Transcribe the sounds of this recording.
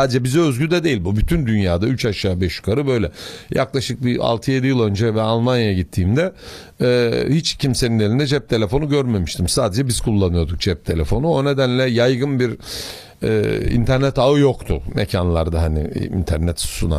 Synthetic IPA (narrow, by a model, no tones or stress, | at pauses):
saːd̪ed͡ʒɛbizøzɟyd̪ɛd̪ejilʲbubyt̪ʰynd̪ynjaːd̪ayt͡ʃaʃaːbɛʃy̥kʰaɾɯbø̞jlʲɛjʔa̰klˠaʃɯk̚bia̰lˠt̪ʰɯje̞d̪ijilˠø̞nd͡ʒɛvɛalˠmanjajaɟit̪ʰːiːmd̪ɛ | hit͡ʃcʰimse̞nine̞lʲind̪ɛd͡ʒɛp̚t̪ʰe̞lʲe̞fo̞nuɟøɾme̞miʃt̪ʰimsaːd̪ed͡ʒɛbiz̥kʰulˠːanɯjo̞d̪uk̚d͡ʒɛp̚t̪ʰe̞lʲe̞fo̞nuo̞ne̞d̪ænlʲɛjajɡɯnbiɾ | ɛ̰ːḭnt̪ʰæɾnɛt̪aɯjo̞kt̪ʰʊmecʰanlˠaɾd̪aɦanḭḭnt̪ʰæɾnɛt̪su̥suna̰